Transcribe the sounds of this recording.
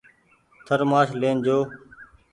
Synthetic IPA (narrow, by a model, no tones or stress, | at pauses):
t̪ʰəɾmaːʃleːnd͡ʒoː